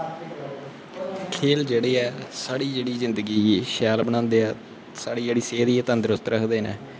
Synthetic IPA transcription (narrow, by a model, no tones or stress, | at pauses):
kʰeːld͡ʒeːɽeːɛːsaːɽiːd͡ʒeːɽiːzɪnd̪əɡiːʃɛːlbənãːnd̪eːɛː | saːɽiːd͡ʒeːɽiːseːd̪iːɛːt̪ãːnd̪ɪɾʊst̪ɾəkʰd̪eːnɛː